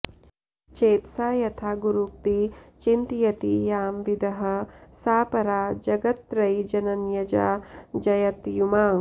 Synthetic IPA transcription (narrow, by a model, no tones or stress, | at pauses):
t͡ʃeːt̪saːjɐt̪ʰaːɡuɾuk̚t̪it͡ʃint̪jɐt̪ijaːmʋid̪ʱɐɦɐ̆saːpɐɾaːd͡ʒɐɡɐt̪ɾɐjd͡ʒɐnɐnjɐd͡ʒaːd͡ʒɐjɐt̪jumaːŋ